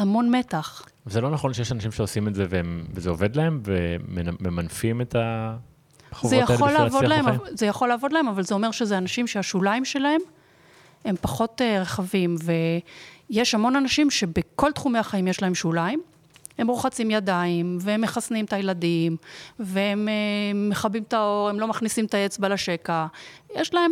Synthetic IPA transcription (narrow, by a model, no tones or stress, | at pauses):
hamo̞nme̞taχ | vezelo̞naχo̞nʃejeʃanaʃimʃeosimezeveemvezeoved̪lahe̞mvemenmemanfimeta | χzvejaolavodlaemazejaχo̞lːavo̞d̪lae̞mavalzeo̞meʁʃezeanaʃimʃeaʃulaimʃelae̞m | he̞mpaχo̞teʁeχavimvejeʃhamo̞nanaʃimʃe̞beko̞ltχume̞aχaimjeʃlae̞mʃulaim | he̞mʁoχat͡simjadaimveemːeχasnimt̪ajeladimveemeːe̞χabimt̪ao̞ʁe̞mlo̞maχnisimtae̞t͡sbalaʃe̞kajeʃlae̞m